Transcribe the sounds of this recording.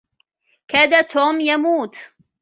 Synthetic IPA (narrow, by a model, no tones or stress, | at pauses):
kaːd̪at̪ʰoːmjamuːt̪